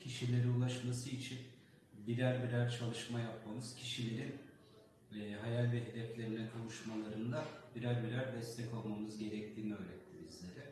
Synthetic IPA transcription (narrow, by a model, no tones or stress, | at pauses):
cʰiʃilʲe̞ɾiulˠaʃmasɯit͡ʃʰin | biɾælʲbiɾæɾt͡ʃʰalˠɯʃmajapmamɯz̥cʰiʃilʲe̞ɾin | ɛɦajalʲvɛɦed̪ɛplʲe̞ɾinɛkʰavuʃmalˠaɾɯnd̪abiɾælʲbiɾæɾd̪ɛst̪ʰɛko̞lˠmamɯzɟe̞ɾɛc̚t̪ʰiːniø̞ːɾɛt̪ʰːibizlʲe̞ɾɛ